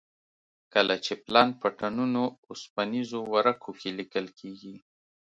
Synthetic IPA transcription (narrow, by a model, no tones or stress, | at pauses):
kəlat͡ʃeplɑnpəʈanunoʊspanizowaɾakʰokʰelikəlkʰeɡi